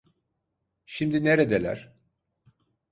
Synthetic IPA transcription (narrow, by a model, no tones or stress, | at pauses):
ʃimd̪ineɾed̪elʲæ̰ɾ̥